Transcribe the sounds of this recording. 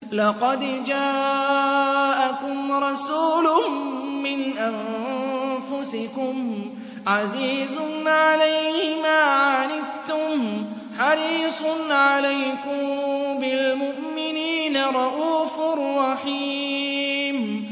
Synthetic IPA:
lɑqɑd̪d͡ʒaː | ʔakʊmɾˤɑsuːlʊː | ɪnʔam | fʊsɪkʊm | ʕaziːzʊnʕalajhɪmaːʕanɪbt̪ʊm | ħɑɾiːsˤʊnʕalajkʊmbɪlmʊʔmɪniːnaɾˤɑʔuːfʊrˤːɑħi | m

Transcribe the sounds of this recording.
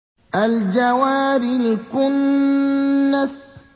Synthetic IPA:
ʔald͡ʒawaːɾilkʊnː | as

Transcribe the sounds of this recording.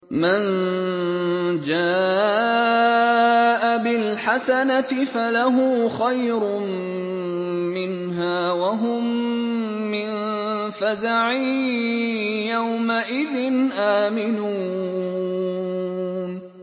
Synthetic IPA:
man | d͡ʒaː | ʔabɪlħasanat̪ɪfalaɦʊxajɾʊm | mɪn | ɦaːwaɦʊmː | ɪn | fazaʕi | jawmaʔɪðɪnʔaːmɪnuː | n

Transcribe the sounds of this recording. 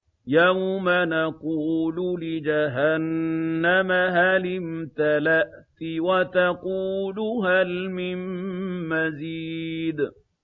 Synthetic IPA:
jawmanaquːlʊlɪd͡ʒaɦanːamaɦalɪmt̪alaʔt̪ɪwat̪aquːlʊɦalmɪmmaziːd̪

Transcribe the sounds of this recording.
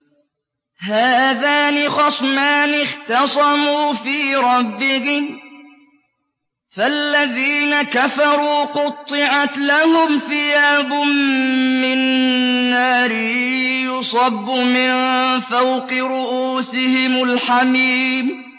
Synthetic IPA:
haːðaːnɪxɑsˤmaːnɪχt̪ɑsˤɑmuːfiːɾˤɑbːɪhɪm | falːaðiːnakafɑɾˤuːqʊt̪ˤːɨʕat̪lahʊmθɪjaːbʊmːɪnː | aːɾɪjʊsˤɑbːʊmɪnfawqɨɾʊʔuːsɪhɪmʊlħamiːm

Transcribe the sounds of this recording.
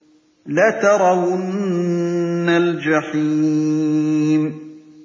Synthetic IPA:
lat̪ɑɾˤɑwʊn | ald͡ʒaħi | m

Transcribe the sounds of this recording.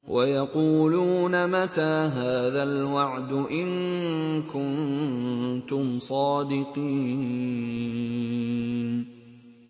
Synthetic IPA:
wʔajɑquːluːnamat̪aːɦaːðalwaʕd̪ʊʔɪŋkʊn | t̪ʊmsˤɑːd̪ɪqiː

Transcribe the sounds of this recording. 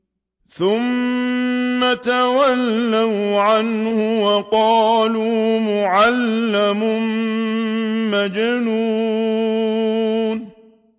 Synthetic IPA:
θʊmː | at̪awalːawʕanhʊwɑqɑːluːmʊʕalːamʊm | mad͡ʒnuː | n

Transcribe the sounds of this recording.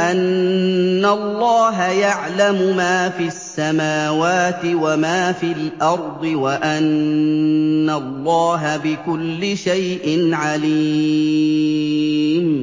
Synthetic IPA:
ʔanː | alˤːɑːɦajaʕlamʊmaːfiasːamaːwaːt̪ɪwamaːfilʔɑɾˤd̪ˤɨwaʔanː | alːɑːɦabɪkʊlːɪʃajʔɪnʕali | m

